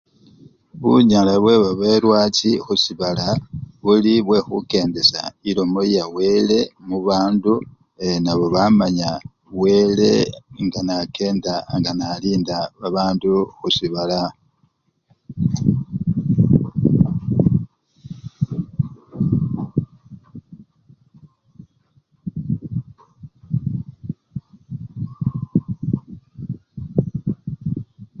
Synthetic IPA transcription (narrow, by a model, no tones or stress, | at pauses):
βuɲalaβwe̞βaβe̞ːlwaːt͡sixusiβalaβuliβwe̞xuke̞ːnde̞sa̰ilo̞mojawe̞le̞muβaːndu | enaβo̞βamaɲa | we̞ːle̞̰ŋɡanake̞ːndaŋɡanaliːndaβaβaːnduxusiβala